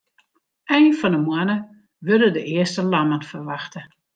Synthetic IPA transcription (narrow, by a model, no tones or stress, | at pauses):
ʔɛjnfɔndəmwanə | ʋødədəʔɪəstəlamənfərʋaxtə